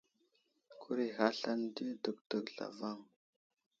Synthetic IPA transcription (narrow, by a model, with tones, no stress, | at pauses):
kʰu˦ɾi˨ɣa˦ɬa˦n˦di˦də˨k̚tə˨kɮa̰˨va˦˨ŋ